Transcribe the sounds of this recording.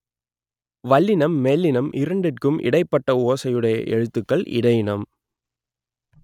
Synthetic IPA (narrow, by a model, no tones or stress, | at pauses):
ʋɐlːɪnɐmːeːlːɪnɐmʔɪɾɐɳɖɪrkɯmʔɪ̰ɽɐɪpːɐʈːɐoːsɐjɯɽɐjɐ̰ʔɛ̰ɻɯt̪ːɯkːɐɭʔɪ̰ɽɐjɪnɐm